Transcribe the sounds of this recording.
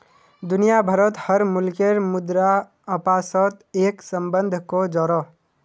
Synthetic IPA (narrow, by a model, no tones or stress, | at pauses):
d̪unijabʱəɾət̪həɾmulkeɾmud̪ɾa | əpasət̪eksəmbənd̪ʱkod͡ʒɔɾɔ